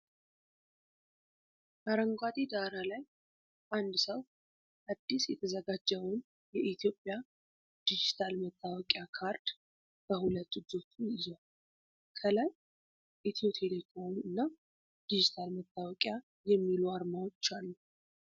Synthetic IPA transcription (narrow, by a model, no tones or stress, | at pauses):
aɾəŋɡʷat̪ʼid̪aɾalaj | ʔand̪səw | ʔad̪ːisjɛt̪ʰəzəɡad͡ʒːəwn | jɛʔit̪ʰjo̞pʼːja | d̪̥id͡ʒit̪ʰalmət̪ʼːawɔkʼjakʰaɾd̪̥ | b̥əhulət̪ːɨd͡ʒo̞t̪ʼːuɪza | kʰəlaj | ʔit̪ʰio̞t̪ʰelek̪ʼawiɨnːa | d̪̥id͡ʒit̪ʰalmət̪ʼːawɔkʼja | jɛmːiluaɾmawot͡ʃːalːu